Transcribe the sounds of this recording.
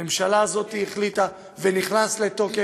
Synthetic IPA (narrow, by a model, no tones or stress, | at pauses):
emʃalaːzo̞t̪ieχlit̪a | ve̞niχnasle̞t̪o̞ke